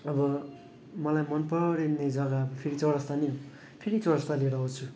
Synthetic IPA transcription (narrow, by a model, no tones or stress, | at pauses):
ʌbʌ | mʌlajmʌnpʌɽenːed͡zʌɡabʌpʰeɾit͡sʌɽʌst̪aniɦo | pʰeɾit͡sʌɽʌst̪aleɾʌɦot͡sʰu